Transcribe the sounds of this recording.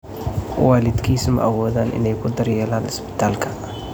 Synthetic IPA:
waːlɪd̪kʰiːsɐmɐ̰ʔɐwɔːðaːnʔɪ̰nɛjkʰʊd̪ɐrjɛːlaːnɪsbɪ̥t̪ʰaːlkʰɐ̥

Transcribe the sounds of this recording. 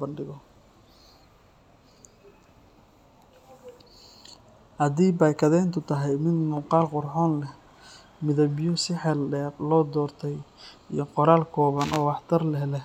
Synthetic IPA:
bɐnɖɪɣɔ | hɐðiːbaːjkʰɐðɛːnt̪ʰʊt̪ʰɐɦɛjmɪd̪mʊqɑːlqʊrħɔːnlɛh | mɪðɐbjʊsɪħɛlɖɛːrlɔːd̪ɔːrt̪ʰɛjḭjɞqɔɾaːlkʰɔːβɐnʔɔːwɑħt̪ʰɐrlɛhlɛ

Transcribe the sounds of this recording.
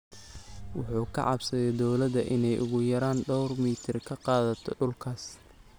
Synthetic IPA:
wʊ̰ħuːkʰɐ̰ʕɑ̰bsɐðɛd̪ɔwlɐd̪ɐʔɪnɛjʔʊ̰ɣʊjɐɾaːnɖɔwrmiːt̪ʰɪrkʰɐqɑːðɐt̪ʰɔ̰ɖʊlkʰaːs

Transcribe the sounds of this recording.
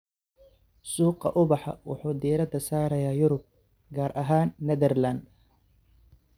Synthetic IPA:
suːqɑ̰ʔʊβɑħɑ̰wʊ̰ħuːd̪iːɾɐd̪ɐsaːɾɐjaːjʊɾʊb̚ | ɡaːɾʔɐɦaːnːɛðɛrland̪

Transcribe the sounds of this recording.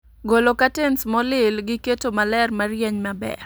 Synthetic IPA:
ɡolokatensmɔlɪlɡɪketomalɛrmarjeɲmabɛ̰

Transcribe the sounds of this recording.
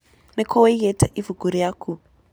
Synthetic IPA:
nɛkʰɔwejetʰaʔivuɡuɾijakʰu

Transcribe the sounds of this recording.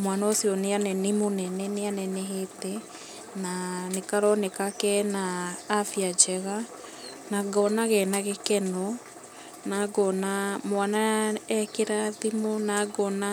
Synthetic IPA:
mwanaosiɔneanɛnemonɛnɛneanɛnɛɦetɛ | nanekaɾɔnekakɛnaːfiad͡ʒɛɣa | naɡɔnaɣɛnaɣekɛnɔ | naɡɔnamwanaɛkeɾaðimonaɡɔna

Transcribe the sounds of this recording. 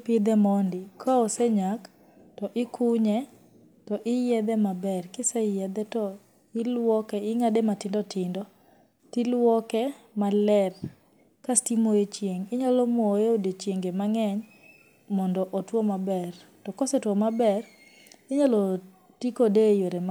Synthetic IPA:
pɪd̪ɛmɔndɪkʰaɔseɲak | tɔʔɪkʰʊɲɛ | tɔʔɪjɛd̪ɛmabɛrkɪsɛjɛd̪ɛtɔ | ɪlwɔkɛɪŋadematɪndɔtʰɪndɔ | tilwɔkɛmalɛr | kastimojet͡ʃjeŋɪɲalɔmwɔeodet͡ʃjeŋɡemaŋɛɲ | mɔndɔʔotwɔmabɛr | tɔkɔsɛtwɔmabɛr | ɪɲalɔ | tikodejoɾem

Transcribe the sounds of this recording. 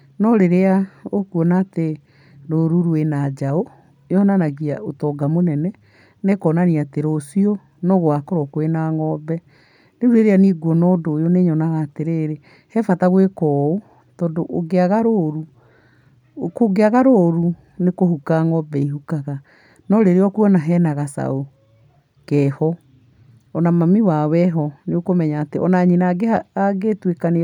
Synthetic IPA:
nɔɾeɾeaokuɔnaːte | ɾoɾuɾwenad͡ʒao | jɔnanaɣia̰otɔɡamonɛnɛ | nekɔːnaniateɾosiɔ | nɔɣoakoɾɔkoenaŋɔbɛ | neuɾeɾeaniɣwɔnɔdojoneɲɔnaɣaːteɾeːɾe | hɛfataɣwekɔo | tɔːdoʔoɡeaɣaɾoɾu | koɡeaɣaɾoɾu | nekoɦhukaŋɔbɛihukaɣa | nɔɾeɾeɔkuɔnaɦɛnaɣasa̰o | kɛhɔ | ɔnamamiwawɛɦɔneokomɛɲaːteʔɔnaɲinaɡeaaɡetwekane

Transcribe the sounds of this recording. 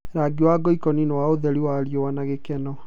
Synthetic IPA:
ɾaɡiwaɡɔikɔninɛwaoðɛɾiwaɾjɔwanaɣekɛnɔ

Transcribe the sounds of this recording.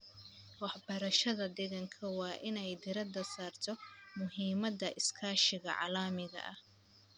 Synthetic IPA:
wɑħbɐɾɐʃɐðɐd̪ɛɣɐŋkʰɐwɑːʔɪnɛjd̪ɪɾɐd̪ɐsaːrt̪ʰɔmʊɦiːmɐd̪ɐʔɪskʰaːʃɪɣɐʕɑ̰laːmɪɣɐ̰ʔɐh

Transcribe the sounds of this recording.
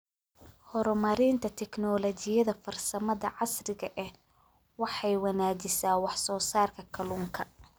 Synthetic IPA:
hɔɾɔmɐɾɪnt̪ʰɐt̪ʰɛknɔːlɔt͡ʃɪjɐðɐfɐrsɐmɐðɐ̰ʕɑsrɪɣɐʔɛh | wɑħɑjwɑnaːt͡ʃɪsaːwɑħsɔːsaːrkʰɐkʰɐluːŋkʰɐ

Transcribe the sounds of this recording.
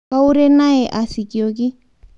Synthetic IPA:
kauɾenaeʔasikioki

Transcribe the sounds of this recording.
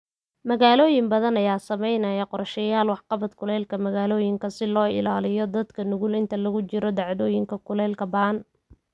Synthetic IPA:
mɐɣaːlɔːjɪmbɐðɐnɐjaːsɐmɛjnɐjɐqɔɾʃɛjaːlwɑħqɑβɐd̪kʰʊlɛːlkʰɐmɐɣaːlɔːjɪŋkʰɐsɪlɔːɪ̰laːlɪjɔd̪ɐd̪kʰɐnʊɣʊlɪnt̪ʰɐlɐɣʊt͡ʃɪɾɔd̪ɑʕd̪ɔːjɪŋkʰɐkʰʊlɛːlkʰɐbɐɐn

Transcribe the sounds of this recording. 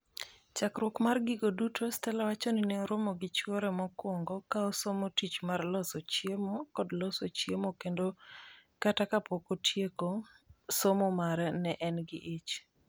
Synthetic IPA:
t͡ʃakɾwɔkmarɡiɡodutʰostɛlawat͡ʃonineɾomɔɡɪt͡ʃwoɾɛmɔkwɔŋɡɔkaɔsomotit͡ʃmarlɔsɔt͡ʃjemokɔdlɔsot͡ʃjemokendokatakapokotʰjekosomɔmaɾɛnɛʔɛnɡɪʔit͡ʃ

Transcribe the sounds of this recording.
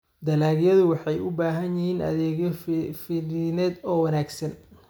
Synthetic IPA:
d̪ɐlaːɣjɐðʊwɑħɑjʊbaːɦɐnjɪhiːnʔɐ̰ðɛːɣjɔfɪlɪnɛːd̪ɔːwɐnaːɡsɐn

